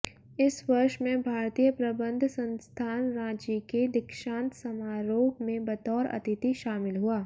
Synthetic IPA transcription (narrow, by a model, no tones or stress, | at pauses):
ɪswɐɾʃmẽbʱaːɾt̪ijəpɾɐbə̃nd̪ʱsɐ̃nst̪ʰaːnɾãːd͡ʒiked̪ɪkʃãːnt̪sɐmaːɾoːbmẽbɐt̪ɔːɾɐ̰t̪ɪt̪iʃaːmɪlɦuaː